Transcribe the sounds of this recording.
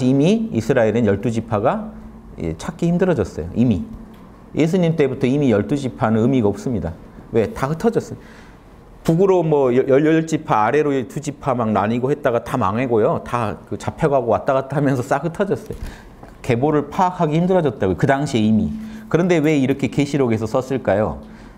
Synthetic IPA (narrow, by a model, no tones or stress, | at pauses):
iimiisʰɯɾaiɾɯnjʌɭt͈ud͡ʑipʰaɡa̰ | t͡ɕʰak͈ihimdɯɾʌd͡ʑʌs͈ʌjo̰ʔimi | jʔe̞s̬ʰuɲimt͈e̞butʰʌimijʌɭt͈ud͡ʑipʰanɯnɯmiɡaop̚s͈ɯmɲida | we̞tahɯtʰʌd͡ʑʌs͈ɯ | puɡuɾomʌjjʌʎʌɭt͡ɕ͈ipʰaːɾe̞ɾotud͡ʑipʰamaŋnaɲiɡohe̞t̚t͈aɡatama̰ŋe̞ɡojotakɯt͡ɕapʰeɡɦaɡowat͈̚aɡatʰamjʌnsʰʌs͈akhɯtʰʌd͡ʑʌs͈ʌjo | ke̞boɾɯɭpʰaːkʰaɡiçimdɯɾʌd͡ʑʌt̚t͈aɡojkɯdaŋɕʰie̞imikɯɾʌnde̞we̞iɾʌkʰe̞keɕʰiɾoɡe̞s̬ʰʌs͈ʌs͈ɯɭk͈ajo̰